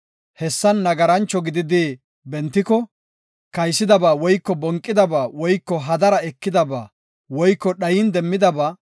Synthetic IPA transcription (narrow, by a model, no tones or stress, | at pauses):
hɛsːɐnːɐɡɐɾɐnt͡ʃːɔɡɪd̪ɪd̪ɪ | bɛnt̪ːɪkɔ | kɐjsɪd̪ɐbaːwɔjkːɔbɔŋkʼːɪd̪ɐbaːwɔjkːɔɦɐd̪ɐɾɐɛkːɪd̪ɐbaː | wɔjkːɔɗɐjɪnd̪ɛmːɪd̪ɐbaː